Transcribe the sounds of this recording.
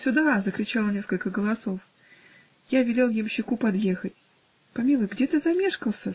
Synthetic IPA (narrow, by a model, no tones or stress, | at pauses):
sʲʊd̪azəkɾʲɪt͡ɕalˠənʲe̞skəlʲkəɡəlˠɐso̞f | javʲɪlʲelˠjɪmɕːɪkupɐd̪jexətʲ | pɐmʲilˠʊjɡdʲe̞t̪ɨzɐmʲeʂkəlˠsʲə